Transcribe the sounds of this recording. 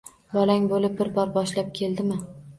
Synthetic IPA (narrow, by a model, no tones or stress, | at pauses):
bɒlaŋbolɪp̚bɪɾbɒɾbɒʃlap̚kʲʰe̞lˠd̪ɪmɪ